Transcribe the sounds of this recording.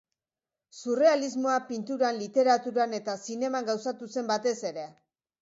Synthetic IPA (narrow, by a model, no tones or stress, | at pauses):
sure̞alizmoapint̪uɾanlit̪e̞ɾat̪uɾane̞t̪asine̞maŋɡawsat̪use̞mbat̪e̞se̞ɾe̞